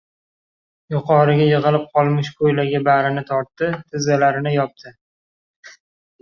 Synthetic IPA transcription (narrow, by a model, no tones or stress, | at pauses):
jʊqʰɒɾɪɡʲajɨʁɨlˠɪp̚qʰɒlˠmɪʃkʰojlaɡʲabaɾɪnɪt̪ʰɒɾt̪ːɪt̪ʰɪzalaɾɪnɪjɒp̚t̪ʰɪ